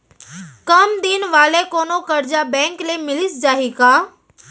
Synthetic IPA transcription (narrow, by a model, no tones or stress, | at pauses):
kɐmd̪inʋaːlekoːnokɐɾd͡ʒabɛ̃ːŋklemɪlɪsd͡ʒaːɦiːkaː